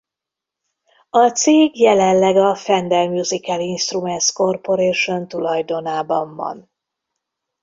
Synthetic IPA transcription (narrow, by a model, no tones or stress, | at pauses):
ɒt̪seːɡjɛlɛnlːɛɡɒfɛnd̪ɛlmjuzikɛlinʃt̪rumɛnsko̞rpo̞ɾeːʃo̞nt̪ulɒjd̪o̞naːbɒɱvɒ̰n